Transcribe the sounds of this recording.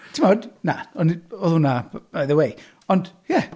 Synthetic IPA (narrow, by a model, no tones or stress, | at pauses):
tʰɪmɔdnaɔniɔðunabb̥ajðəwej | ɔnjɛ